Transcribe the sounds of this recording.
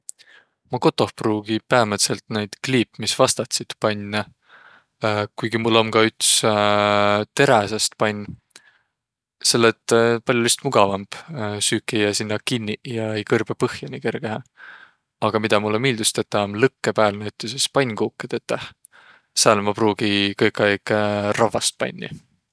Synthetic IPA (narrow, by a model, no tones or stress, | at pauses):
mɑko̞t̪ːˑo̞hpruːɡ̥ipæːmet̪selt̪ne̞jd̪̥kliːpmisvɑst̪ɑt̪sit̪pɑnʲː | kujɡ̥imulːo̞mkɑyt̪s | t̪e̞ɾæsɑst̪pɑnʲː | se̞lːet̪pɑlʲjulist̪muɡ̥ɑvɑmb̥syːkːˑijɑsinːɑkinʲːijɑejkɤrb̥epɤhjɑnʲike̞rɡ̥eɦɑ | ɑɡ̥ɑmid̪̥ɑmulːemiːld̪̥ust̪et̪ːɑɑmlɤkːepæːlnæyt̪ːisespɑnʲːkuːkːˑed̪̥et̪ːæh | sælmɑpruːɡ̥ikɤjkːˑɑjkrɑvɑst̪̚pɑ̰nʲːḭ